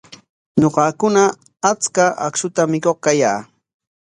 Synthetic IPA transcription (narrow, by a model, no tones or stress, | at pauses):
ɲoɢɑkʊnaː | t͡skaa̰ksʊt̪amɪkoχkaja̰ː